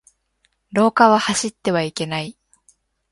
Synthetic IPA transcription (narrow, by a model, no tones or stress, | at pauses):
ɾo̞ːkaβahaɕit̪ːe̞βaike̞nai